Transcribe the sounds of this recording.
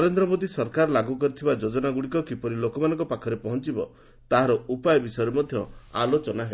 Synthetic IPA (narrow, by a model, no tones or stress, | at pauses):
nɔɾend̪ɾɔmod̪isɔɾkaɾlaɡukɔɾit̪ʰibad͡ʒod͡ʒɔnaɡuɽikɔkipɔɾilokɔmanɔ̃ŋkɔpakʰɔɾepɔɦɔnt͡ʃibɔ | t̪aɦaɾɔʔupajɔbisɔjɔɾemɔd̪ʱjɔa̰lot͡ʃɔnaɦe